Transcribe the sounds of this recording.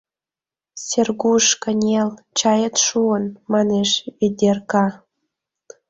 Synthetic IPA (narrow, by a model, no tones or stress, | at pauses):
sʲerɣuʃkənʲel | t͡ɕɑjət̪ʃuənmɑneʃed̪ʲerkɑ